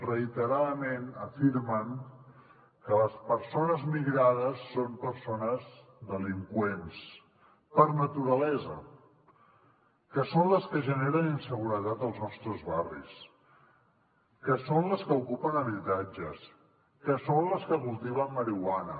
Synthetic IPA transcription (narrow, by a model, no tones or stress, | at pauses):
rəit̪əɾaðəmenəfiɾməŋ | kələspəɾsonəzmiɣɾað̞əsːompəɾsonəz | ðəliŋkwens | pəɾnət̪uɾəlɛzə̰ | kəsonləskəʒəneɾəninsəɣ̞uɾət̪at̪əlˠznɔst̪ɾəzβarḭs | kəsonləskəukupənəβit̪ad͡ʒəs | kəsonləskəβulˠt̪iβəmməɾiwanə